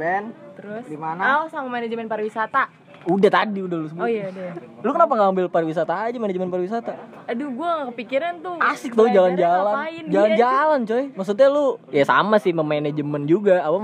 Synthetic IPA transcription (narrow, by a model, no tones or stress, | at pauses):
bɛnt̪əɾʊsdimanaaosamamened͡ʒəmɛnpaɾwisat̪a | udaht̪adiudahlusəbojaudalukənapaŋɡaːmbɪlpaɾwis̬at̪aːd͡ʒamenad͡ʒəmɛnpaɾwisat̪a | aduɡuaŋakəpikiɾant̪ʊasɪk̚t̪aud͡ʒaland͡ʒalanɪnd͡ʒaland͡ʒalant͡ʃɔjmaks̬ut̪̬̚ɲalʊjasa̰masɪhməmanɛd͡ʒəmɛnd͡ʒuɡaːpa